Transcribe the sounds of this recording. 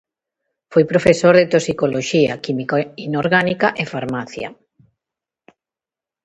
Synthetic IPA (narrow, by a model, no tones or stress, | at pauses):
fojpɾofesoɾðet̪osikoloʃiɐkimikainoɾɣanikaʔefaɾmaθja̰